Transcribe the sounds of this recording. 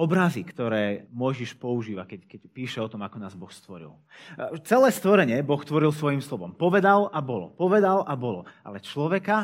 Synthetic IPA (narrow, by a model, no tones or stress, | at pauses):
ɔbɾazikt̪ɔɾɛːmɔjʒiʃpɔuʒiːʋakɛckɛcpiːʃɛɔt̪ɔmakɔnaːzbɔxst̪ʋɔɾḭl | t͡sɛlɛːst̪ʋɔɾɛɲɪɛbɔxst̪ʋɔɾilˠsʋɔjimslɔʋɔmpɔʋɛd̪alabɔlɔ̰pɔʋɛd̪alʔabɔlɔa̰lɛt͡ʃlɔʋɛka